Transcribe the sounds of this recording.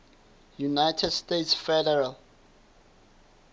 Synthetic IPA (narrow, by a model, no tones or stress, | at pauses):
junajtʰɛdstetsfɛdɛɹal